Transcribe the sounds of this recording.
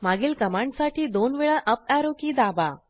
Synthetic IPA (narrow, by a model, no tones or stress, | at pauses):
maɡiːlkəmaɳɖsaʈʰiːd̪onʋeɭaʔəp̚aɾokiːd̪aba